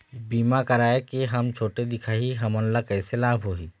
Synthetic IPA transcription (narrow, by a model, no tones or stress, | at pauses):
biːmakɐɾaːekeɦɐmt͡ʃʰoːʈed̪ɪkʰaːɦiɦɐmɔ̃ːnlakɛːselaːbʱɦoːiː